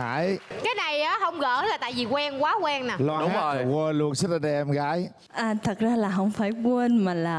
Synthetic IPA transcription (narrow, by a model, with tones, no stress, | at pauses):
aː˧˩˨jkaː˨˦jna˨˩jʔaː˨˦hə˧wŋ͡mɣə̰ː˧˩˦laː˨˩t̪a̰ː˧˨jvi˨˩kwɛ˧ŋkwaː˨˦kwɛ˧ŋnaː˨˩lɔ˧ɗʊ˨˦o˨˩jkwəː˧lu˧˨ənsə˦˥t̚a˧˩ɗɛ˧˩ʔɛ˧mɣa̰ː˧˥j | ʔaː˨˩t̪ʰə˨˩k̚zaː˧laː˨˩ɦə̰˧˥wŋ͡mfaː˧˩jkwə˧nmaː˨˩laː˨˩